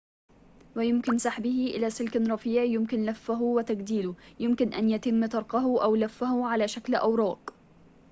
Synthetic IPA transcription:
wɪjʊmkɪnsaħbɪhɪʔɪ̰laːsɪlkɾˤɑfiːʕjʊmkɪnlafːʊɦʊwɪt̪aɡd̪iːlʊjʊmkɪnʔa̰njat̪ɪmːt̪ɑɾˤqɑɦʊʔawlafːahʊʕalaːʃaklʔa̰wɾˤɑːq

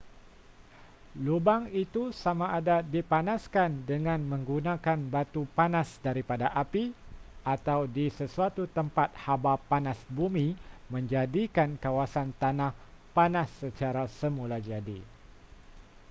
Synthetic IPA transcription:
lubaŋit̪usamaʔːdadipanaskandəŋãnmə̃ŋɡunãkanbat̪upanãsdaɾipadaʔapiat̪awdisəsuat̪ut̪əmpat̪̚habapanasbumĩmə̃ɲd͡ʒadikankawasant̪anãhpanasːət͡ʃaɾasəmulad͡ʒadḭ

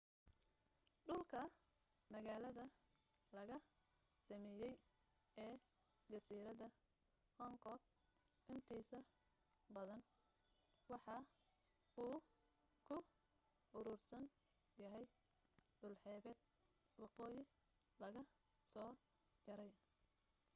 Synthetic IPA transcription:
ɖʊlkʰɐ | mɐɣaːlɐðɐ | lɐɣɐ | sɐmɛːjɛj | ɛː | d͡ʒɐsiːɾɐðɐ | hɔŋkʰɔɡ̚ | ʔɪnt̪ʰiːsɐ | bɐðɐn | wɑħɑ | uː | kʰʊ | ʔʊɾʊːrsɐn | jɐɦɛj | ɖʊlħɛːβɛd̪̚ | wɑqɔːjɪ | lɐɣɐ | sɔː | d͡ʒɐɾɛj

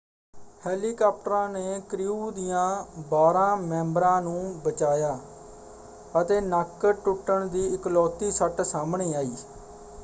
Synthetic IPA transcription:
hɛːliːkaːp̚ʈəɾãːneːkɾɪuːd̪ijãːbaːɾãːmɛ̃ːmbɾãːnũːbət͡ʃaːjaː | ət̪eːnəkʈʊʈːəɳd̪iːɪklɔːt̪iːsəʈsaːmɳeːaːiː

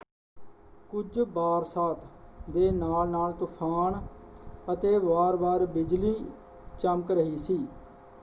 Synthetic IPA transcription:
kʊd͡ʒbaːɾsaːt̪ʰd̪eːnaːlnaːlt̪ʊpʰaːɳ | ət̪eːʋaːɾbaːɾbɪd͡ʒliː | t͡ʃəmkɾəɦiːsiː

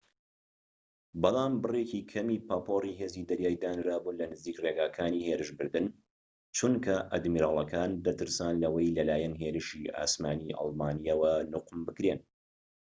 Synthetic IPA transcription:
bɑlˠɑːmbɨreːcikʰɐmiːpʰapʰoːriːɦe̞ːziːd̪ɐɾjaːjd̪aːnɾaːbulɐnɨziːkreːɡaːkʰaːniːheːɾɨʃbɨɾd̪ɨn | t͡ʃunkʰɐʔɐd̪miːɾaːlˠɐkʰaːnd̪ɐt̪ɨɾsaːnlɐwɐjlɐlaːjɛnɦeːɾɨʃia̰ːsmaːniʔɑ̰lˠmaːnijɐwɐnʊqmbɨkɾeːn

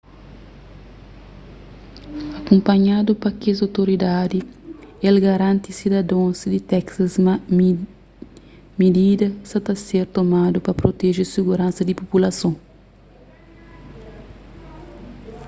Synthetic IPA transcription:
ɐkõmpɐɲad̪upɐkezawt̪oɾid̪ad̪ielɡɐɾãnt̪isid̪ɐd̪õsd̪it̪ɛksɐz | med̪id̪ɐsɐt̪ɐseɾt̪omad̪upɐpɾot̪eʒesiɡuɾãnsɐd̪ipopulɐsõ

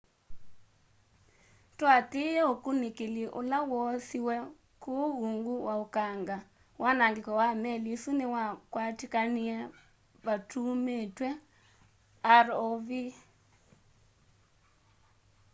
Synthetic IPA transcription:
twateɛokunekeliʔo̰lawɔsiwɛ | kouŋɡuwaokaŋɡa | wanaŋɡekɔwamɛlisunewakwatikaniɛ | βatʰumetwɛ | aɾovi

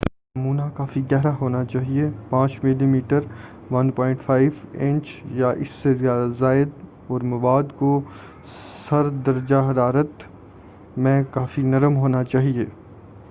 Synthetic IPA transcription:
nɐmuːnakaːfiɡɛɦɾaɦoːnat͡ʃaːɦiepãːt͡ʃmɪlimiːʈəɾ | ʋɐnpɔ̃ːɪ̃ɳʈfʰaːɪʋɪ̃ɲt͡ʃjaʔɪsːezazaːɪd̪ | ɔːɾmɐʋaːd̪ko | sɐɾd̪ɐɾd͡ʒaɦɐɾaːɾət̪ | mɛ̃ːkaːfinɐɾəmɦoːnat͡ʃaːɦieː

